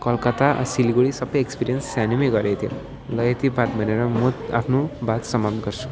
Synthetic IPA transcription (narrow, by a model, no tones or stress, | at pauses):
kʌlkat̪aʔsiliɡoɽisʌbʌjekspiɾijʌnsːanimeɡʌɾet̪ʰiḛ | lʌet̪ibʱat̪bʱʌneɾʌmut̪a̰pʰnobat̪sʌmap̚t̪ɡʌɾt͡sʰu̥